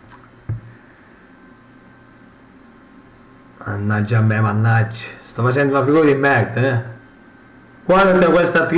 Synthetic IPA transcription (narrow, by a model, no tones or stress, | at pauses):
a̰nːad͡ʒːamːɛmanːad͡ʒːi̥st̪afat͡ʃɛnd̪unafiɡuːɾad̪imːɛɾd̪aɛ | ɡ̥wad̪at̪ːeakwest̪at̪ɾ